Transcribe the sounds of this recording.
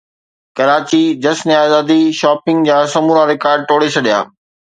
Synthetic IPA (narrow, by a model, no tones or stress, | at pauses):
kɐɾaːt͡ɕid͡ʑɐsniaːzaːd̪iʃaːpɪ̃ŋɡd͡ʑaːsɐmuːɾaɾɪkaːɾɖ̚ʈ̪oːɽet͡ɕʰɐɗija̰ː